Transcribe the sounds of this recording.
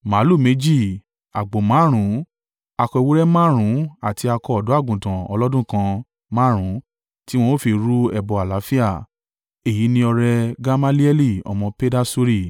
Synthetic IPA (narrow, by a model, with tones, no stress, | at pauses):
ma˨˦lu˦˨me˨˦d͡ʒi˦˨ | a˨ɡ͡bo˨mã˨˦ɾ̃ũ˨˦ | a˧kɔ˧i˧wo˦ɾɛ˦mã˦ɾ̃ũ˨˦a˦˨ti˨˧a˧kɔ˧ɔ˨dɔ˨˦a˦˨ɡũ˨tã˨ɔ̰˧lɔ˦dũ˦kã˧ | mã˦ɾ̃ũ˨˦ | ti˦w̃ɔ̃˧˦o˦fi˧ɾu˦ɛ˧˨bɔ˨a˨la˨˦fi˦a˦˨ | e˨ji˨˦nĩ˧ɔ˧ɾɛ˧ɡa˦ma˦li˦ɛ˦li˦˨ɔ̰˨mɔ̃˧pe˦da˦su˦ɾi˦˨